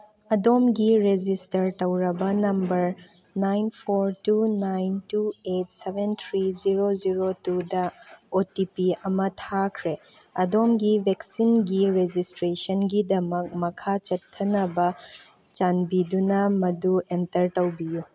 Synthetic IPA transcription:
ɐdomɡiɾed͡ʒistɐɾtɐwɾɐbɐnɐmbɐɾ | najnpʰoɾtunajntuet̚sebʱent̪ʰɾiziɾoziɾotudɐotipiɐmɐtʰakʰɾe | ɐdomɡibʱeksinɡiɾed͡ʒistɾesɐnɡidɐmɐk̚mɐkʰat͡ʃɐtʰːɐnɐbɐ | t͡ʃanbidunɐmɐduentɐɾtɐwbiju

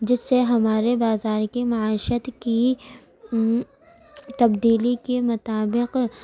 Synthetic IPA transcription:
d͡ʒɪsːeɦɐmaːɾebaːzaːɾkemɐaːɪʃət̪ki | t̪ɐbd̪iːlikemʊt̪aːbɪq

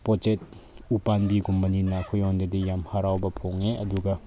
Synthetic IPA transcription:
pɔt͡ʃet̚ | upanbiɡumbɐninɐkʰujɔndɐdijamhaɾawbɐpʰoŋeʔɐduɡɐ

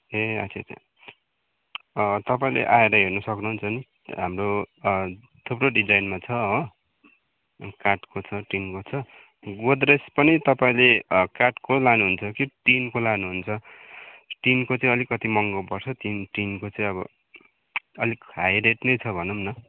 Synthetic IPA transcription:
eʌ̰t͡sʰeta̰ | ʌt̪ʌpaĩlḛʔaeɾʌɦernʌsʌknuɦunt͡sʰʌni | ɦamro | t̪ʰuproɖid͡zajnmat͡sʰʌɦo | karʈkot͡sʰʌʈinkot͡sʰʌ | ɡod̪ɾespʌnit̪ʌpaĩlekaʈkolanuɦunt͡sʰʌkiʈinkolanuɦunt͡sʰʌ | ʈinkot͡sʌ̃ĩʌlikʌt̪imʌŋɡʌpʌrt͡sʰʌt̪inʈinkot͡sʌ̃ĩʌbʌ̰ | ʌlikɦajɾeʈnʌjt͡sʰʌbʱʌnumnʌ

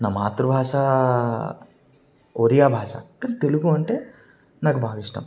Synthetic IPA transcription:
naːmaːt̪ɾubʱaːʂaː | oɾijaːbʱaːʂa̰ːkaːnit̪eluɡuɐɳʈe̞ː | naːkubʱaːɡiʂʈa̰ːm

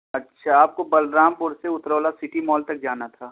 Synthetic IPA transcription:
ɐtːʃʰaaːp̚kobɐlɾaːmpʊɾseʊt̪ɾoːlasɪʈimɔːlt̪ɐk̚d͡ʒaːnat̪ʰaː

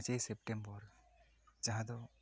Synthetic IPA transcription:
t͡ʃejsepʈembɔɾ | d͡ʒãɦãd̪ɔ

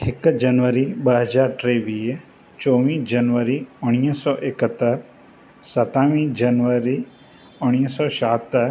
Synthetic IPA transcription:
ekd͡ʒɐnʋəɾibəɦəd͡ʒaːɾʈɾeʋiːɦ | t͡ʃɔːʋĩːd͡ʒɐnʋəɾiʊɽ̃ijəsɔːʔekət̪ːəɾ | sɐt̪aːʋĩːd͡ʒɐnʋəɾi | ʊɽ̃jəsɔːʃaːt̪ə

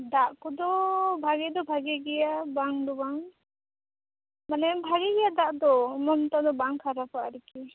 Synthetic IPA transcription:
d̪aʔkɔd̪ɔbʱaɡɛd̪ɔbʱaɡɛɡɛjabaŋd̪ɔbaŋ | manɛmbʱaɡɛɡɛjad̪aʔd̪ɔmɔmt̪ad̪ɔbaŋkʰaɾapaʔɾɛki

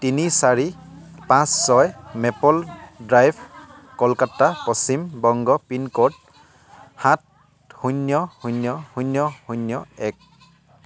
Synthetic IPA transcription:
tinisaɹipãsːɔjmɛpɔldɹajbʰʱ | kɔlkatapɔsimbɔŋɡɔpinkɔd | hãt̚ | hunjɔhunjɔhunjɔhunjɔɛk̚

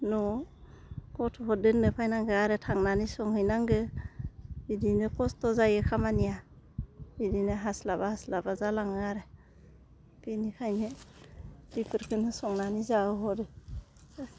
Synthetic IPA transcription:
nɔ | kɔtʰɔɦɔdɯnɯpʰajnaŋɡɯaɾetʰaŋnanisɔŋhɯjnaŋɡɯ | bidinɯkʰɔstɔzajekʰamanija | b̥idinɯɦaslabahaslabazalaŋɯaɾe | pinikʰajne | bipʰɯɾkʰɯnɯsɔŋnanizaɯɦɔɾɯ

